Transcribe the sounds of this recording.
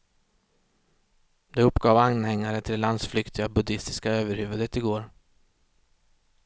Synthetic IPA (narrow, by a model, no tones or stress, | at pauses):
d̪ɛɵpːɡɑːvanhɛŋːaɾət̪ʰɪlːand̪sflʏkt̪ɪɡabɵd̪ɪst̪ɪ̥skaøːvəɾhʉ̟ːvəd̪ət̪ɪɡoːɾ